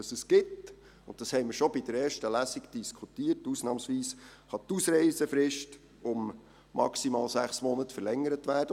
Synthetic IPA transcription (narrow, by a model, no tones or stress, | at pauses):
əsəskɪt | ʊnt̚d̥ɑshɛɪməɾʃɔbɪd̥əɾɛːɾʃtəlæsiɡd̥iskʰutiːətːuːsnɑːmsʋiːsχɑt̪uːsɾɛɪsəfɾɪʃt | ʊmː | ɑ̰ksimɑːlsæχsmɔnətfəɾlɛŋːəɾətʋæːrd̥ə